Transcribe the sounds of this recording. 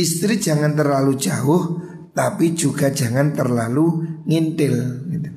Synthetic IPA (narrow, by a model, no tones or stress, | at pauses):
ist̪ɾid̥ʒ̥a̤ŋant̪ərlalu̥d͡ʒ̥aʊh | t̪api̥ʒ̥uɡ̥a̤̥ʒ̥a̤ŋant̪ərlaluŋint̪ɪlɡit̪u